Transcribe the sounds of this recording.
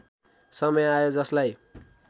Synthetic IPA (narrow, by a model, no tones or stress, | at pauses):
sʌmʌjajod͡zʌslaj